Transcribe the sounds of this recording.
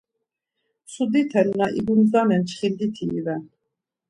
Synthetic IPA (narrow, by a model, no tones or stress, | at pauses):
sud̪it̪ʰɛlnaʔiɡunzanɛnt͡ʃʰχind̪it̪ʰḭːvɛn